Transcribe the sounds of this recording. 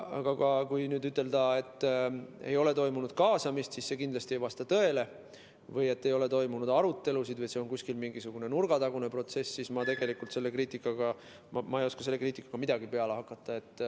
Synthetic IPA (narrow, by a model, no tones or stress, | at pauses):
ɑ̰ɡ̥ɑɡɑkujnyːd̪yt̪ːˑe̞ld̪ɑe̞t̪ːˑe̞̰jo̞le̞t̪o̞jmunud̪̥kɑːsɑmist̪sisse̞kind̪lɑsʲt̪iejvɑst̪ɑt̪ø̞e̞le̞ | vɤje̞t̪ːe̞jo̞le̞t̪o̞jmunud̪̥ɑɾut̪ːe̞lusid̪vɤjseonkusʲkilmiŋɡisuɡ̥une̞nurɡ̥ɑt̪ɑɡ̥une̞pro̞t̪se̞sːismɑt̪e̞ɡ̥e̞likult̪se̞lːe̞kriːt̪ːˑikːˑɑɡ̥ɑ | mmɑejo̞skɑselːekriːt̪ʲːˑikːˑɑɡ̥ɑmid̪̥ɑɡ̥ipe̞ɑlehɑkːˑɑt̪ˑːɑe̞t̪ːˑ